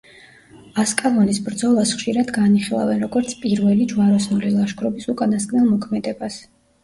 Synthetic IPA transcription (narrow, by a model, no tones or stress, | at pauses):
askʼalɔnisbɾd̪zɔlˠasχʃiɾad̪ɡaniχilˠa̰vɛnɾɔɡɔɾt̪sʰpʼiɾvɛlid͡ʒvaɾɔsnulilˠaʃɡʰɾɔbisukʼanast̪kʼnɛlˠmɔkʰmɛd̪ɛbas